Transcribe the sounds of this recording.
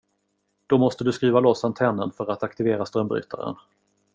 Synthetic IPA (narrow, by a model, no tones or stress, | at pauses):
d̪̥ɔmɔst̪əd̪ɵskɾiːvalɔsant̪ʰɛnːənfœɾat̪akt̪ɪveːɾast̪ɾœmbɾʏ̰ːt̪ʰa̰ɾə̰n